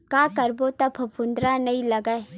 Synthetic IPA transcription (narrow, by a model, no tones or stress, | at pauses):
kaːkɐɾbot̪ɐbʰʱɐpʊ̃nd̪ɾanɐɦĩlɐɡae